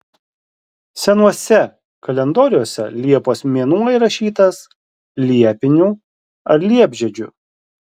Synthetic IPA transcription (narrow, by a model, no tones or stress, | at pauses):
sʲɛnuɔsʲɛ | kɐlʲɛnd̪oːɾʲɪjoːsʲɛ̰lʲiɛpoːsmʲiɛnuːɪɾɐʃʲiːt̪ɐs | lʲiɛpʲɪnʲuː | ɐɾlʲiɛbʲʒʲɛd͡ʒʲʊ̰